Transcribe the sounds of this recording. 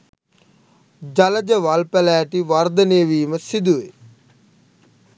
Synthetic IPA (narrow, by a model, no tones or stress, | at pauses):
d͡ʒalɐd͡ʒəʋalpælæːʈiʋaɾd̪əneːʋiːməsid̪uʋe